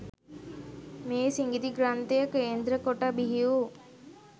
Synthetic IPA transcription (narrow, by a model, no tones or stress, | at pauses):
meːsiŋɡid̪iɡɾant̪ejəkəend̪ɾəkoʈabiɦiu